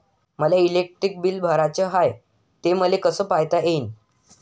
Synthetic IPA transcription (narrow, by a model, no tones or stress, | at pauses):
məlailek̚ʈɾik̚bilbʱəɾat͡ɕəɦaj | t̪eməlekəsəːpajt̪aʔein